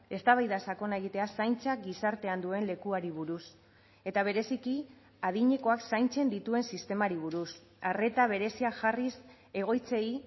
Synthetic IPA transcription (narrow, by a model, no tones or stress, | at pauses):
e̞st̪aβ̞ajðasako̞nae̞ɣ̞it̪e̞asajnt͡sak̚ɡisaɾt̪e̞and̪ue̞nle̞kuaɾiβ̞uɾus | e̞t̪aβ̞e̞ɾe̞siki | aðiɲe̞ko̞aksajnt͡se̞nd̪it̪ue̞nsist̪e̞maɾiβ̞uɾus | are̞t̪aβ̞e̞ɾe̞siaʝaris | e̞ɣ̞o̞jt͡se̞i